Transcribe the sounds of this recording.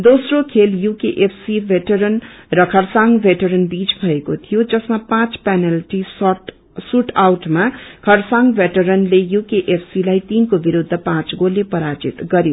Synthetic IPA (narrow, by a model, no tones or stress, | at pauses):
d̪osrokʰeljukeʔepʰsibʱeʈʌɾʌnrʌkʰʌrsaŋɡbʱeʈʌɾʌnbit͡sbʱʌekot̪ʰijod͡zʌsmapãt͡spenelʈis | suʈawʈmakʰʌrsaŋɡbʱeʈʌɾʌnlejukeʔepʰsilajt̪inkobiɾud̪ʱːʌpãt͡sɡolepʌɾad͡zḭt̪ɡʌɾjo